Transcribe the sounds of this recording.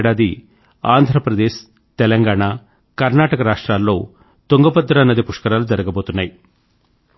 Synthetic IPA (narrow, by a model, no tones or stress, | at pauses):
ɽaːd̪i | a̰ːnd̪ʱɾɐpɾɐd̪eːʃ | t̪ɛlɐŋɡaːɳaː | kɐɾnaːʈɐkɐɾaːʂʈɾaːlːo̞ː | t̪oŋɡɐpɐd̪ɐɾɐːnːɐd̪ipuʂkɐɾaːlud͡ʒɐɾɐɡɐbo̞ːt̪unːaːji